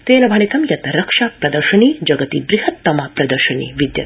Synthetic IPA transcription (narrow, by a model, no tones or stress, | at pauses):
t̪eːnɐbʱɐɳit̪ɐmjɐt̪ɐɾɐkʂaːpɾɐd̪ɐɾʃɐɳiːd͡ʒɐɡɐt̪id̪ɾihɐt̪ːɐmaːpɾɐd̪ɐɾʃɐnḭːʋid̪jɐ̰